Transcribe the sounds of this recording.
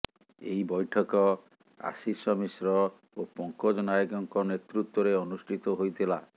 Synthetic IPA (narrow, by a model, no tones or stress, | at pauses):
ḛibɔjʈʰɔkɔ | a̰sisɔmisɾɔ | opɔŋkɔd͡ʒɔnajɔɡɔŋkɔnet̪ɾut̪wɔɾeɔnusʈʰit̪ɔɦojt̪ʰila